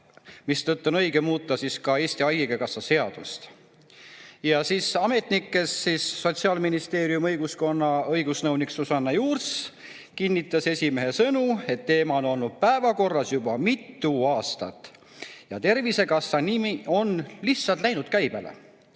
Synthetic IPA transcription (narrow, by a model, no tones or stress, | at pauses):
mist̪ɤt̪ːo̞nɤjɡ̥e̞muːt̪ːˑɑsiskɑe̞ːsʲt̪iɑjɡiɡ̥ekɑsːɑse̞ɑd̪̥ust̪ | jɑsiːsɑme̞t̪nikːe̞sːisːo̞t̪siɑːlminist̪e̞ːɾiumɤjɡ̥usko̞nːɑɤjɡ̥usnɤwniksusɑnːɑjuːrs | kinʲːit̪ːˑɑse̞sʲime̞ɦe̞sɤnue̞t̪ːe̞ːmɑono̞lnud̪̥̚pæevɑko̞rːɑsjubɑmit̪ːuɑːst̪ɑ̰t̪ːˑ | jɑ̰t̪e̞rvise̞kɑsːɑnimio̞nlihtsɑlt̪læjnud̪̚kæjb̥elḛ